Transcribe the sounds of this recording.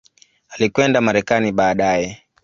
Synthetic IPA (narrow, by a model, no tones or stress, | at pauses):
alikwɛndamaɾɛkaniɓaːɗajɛ